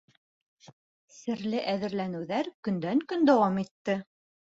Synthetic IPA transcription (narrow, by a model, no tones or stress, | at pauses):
sɘ̆ɾlɘʔæðɘ̆ɾlænɘ̆wðæɾkɵ̆nd̪æŋkɵnd̪æwɑmit̪ːɘ